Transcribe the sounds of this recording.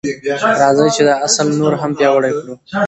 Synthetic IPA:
ɾɑzəjt͡ʃed̪əasəlnoɾɦampjɑwəɽajkɽu

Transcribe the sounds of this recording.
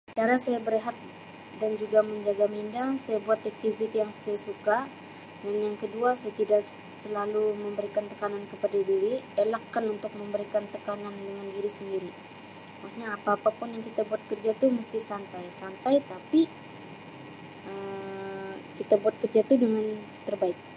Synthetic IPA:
t͡ʃaɾasajabəɾeɦat̪̚ | dand͡ʒuɡaməɲd͡ʒaɡamindasajabuat̪ak̚t̪ivit̪ijaŋsə̥suasuka | danjaŋkəduasajat̪idaʔ | səlaluməmbəɾikant̪əkanankəpadadiɾielakːanunt̪ʊk̚məmbəɾikant̪əkanandəŋandiɾisəndiɾi | maksɲaːpaːpapʊnjaŋkit̪abuat̪̚kərd͡ʒat̪uməst̪isant̪ajsant̪ajt̪api | ə | kit̪abuat̪̚kərd͡ʒat̪udəŋan | t̪ərbaɪk̚

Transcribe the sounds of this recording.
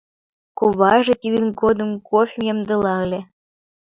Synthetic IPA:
kuβɑʒĕt̪id̪ɘ̆nɡod̪ə̆mkofʲimjɑmd̪ɤ̆lɑɤlʲĕ

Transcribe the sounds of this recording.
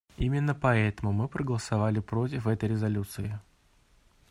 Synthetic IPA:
imʲɪnːəpɐɛt̪əmʊmɨpɾəɡəlˠəsɐvalʲɪpɾo̞t̬ʲɪfɛt̪əjɾʲɪzɐlʲut̪sɨɪ

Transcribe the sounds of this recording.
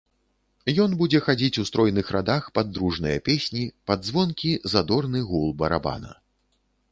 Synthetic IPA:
jɔnbud͡zʲɛxad͡zʲit͡sʲust̪ɾɔjnɨxɾad̪axpad̪ɾuʐnɨjɐpʲesʲnʲipad̪zvɔnkʲizad̪ɔrnɨɣulˠbɐɾa̰ba̰nɐ̰

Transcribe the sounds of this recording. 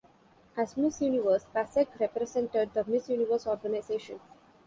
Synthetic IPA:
æzmɪsjuːniʋəɾspæsekɾɛpɾesɛ̃ɳʈeɖ̚d̪əmɪsjuːniʋəɾsɔːɾɡənaɪzeːʃə̃n

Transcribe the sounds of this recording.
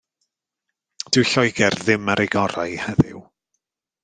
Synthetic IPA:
d̥ɪwɬɔjɡɛrðɪmaɾʔɪɡɔɾa̰jhɛðɪ̰w

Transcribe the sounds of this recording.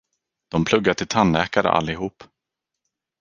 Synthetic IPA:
d̪̥ɔmpʰlɵɡːaʈ̪ɪlt̪ʰanːɛ̰ːkaɾə̰ʔa̰lːɪɦuːp

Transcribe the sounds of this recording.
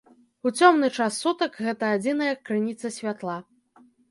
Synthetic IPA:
ut͡sʲɔmnɨt͡ʂasːut̪ɐkɣɛt̪ɐːd͡zʲinɐjɐkːɾɨnʲit̪sɐsʲvʲat̪lˠa

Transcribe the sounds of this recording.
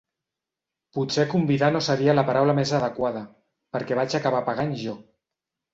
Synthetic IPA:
put͡sɛkumbiðanosəɾialəpaɾawləmezaðəkwað̞ə | pəɾkɛβ̞at͡ʃakaβ̞apaɣaɲʒɔ

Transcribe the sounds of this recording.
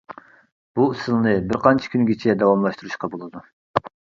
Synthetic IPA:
b̥usɨlˠnɨbɪɾqʰɑnt͡ʃʰi̥kʲʰynɡʲet͡ʃʰɛd̪ɑwɑmlˠɑʃt̪uɾuʃqɑbolˠɨd̪u

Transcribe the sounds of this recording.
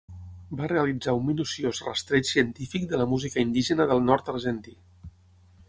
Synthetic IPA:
bareəlid͡zaunminusiozrə̰st̪ɾet͡ʃsiənt̪ifik̚d̪ələmuzikəind̪iʒənəðəlˠnɔɾt̪əɾʒənt̪i

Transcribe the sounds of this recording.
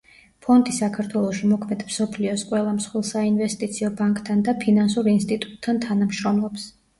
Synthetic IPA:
pʰɔnd̪ʼisakʰaɾt̪ʰwɛlˠɔʃimɔkʰmɛd̪̥msɔpʰliɔsqʼwɛlˠamsχwilˠsainvɛst̪ʼit̪sʰiɔbaŋkʼt̪ʰːand̪apʰinansuɾinst̪ʼit̪ʼu̥t̪ʰːant̪ʰanamʃɾɔmlˠɔps

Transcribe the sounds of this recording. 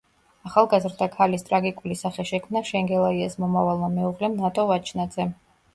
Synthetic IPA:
aχalˠɡazɾd̪akʰalist̪ʼɾaɡikʼulisaχɛʃɛkʰmnaʃɛŋɡɛlˠaiasmɔmavalˠmamɛuʁlɛmnat̪ʼɔvat͡ʃʰnad̪zɛ

